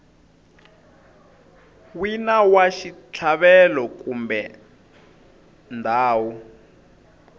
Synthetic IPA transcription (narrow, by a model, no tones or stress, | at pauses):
winawaʃit͡ɬʰaβɛlɔkumbɛ | ndaːwu